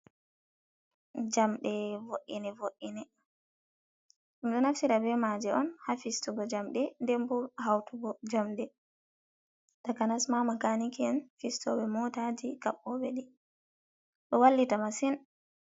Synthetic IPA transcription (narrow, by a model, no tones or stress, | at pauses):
d͡ʒamɗɛvoʔḭnɛvoʔinɛ | ʔumɗɔnaftiɾabɛmad͡ʒɛɔnhafistuɡɔd͡ʒamɗɛndɛmbulhawtuɡɔd͡ʒamɗɛ | takanasmamakanikiɛnfistɔɓɛmɔtad͡ʒikaɓːɔɓɛɗi | ɗɔwalːitamasin